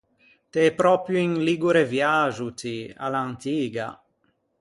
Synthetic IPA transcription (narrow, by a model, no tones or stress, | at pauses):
t̪eɛpɾɔpɾjuiŋliɡuɾevjaʒut̪ia̰lant̪iːɡa̰